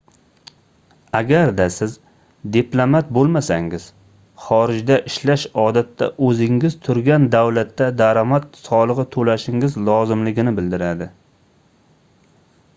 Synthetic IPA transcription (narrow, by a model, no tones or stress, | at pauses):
aɡʲaɾd̪asɪz | d̪eplˠamat̪̚bolˠmasaŋɪz̥ | χɒɾɪd͡ʒd̪aʔɪʃlaʃɒd̪at̪ːa̰ʔɵzɪŋɪz̥t̪ʰʊɾɡʲand̪awlat̪ːad̪aɾamat̪sɒlˠɨʁɨt̪ʰolaʃɪŋɪzlˠɒzɪmlɪɡʲɪnɪbɪld̪ɪɾad̪ɪ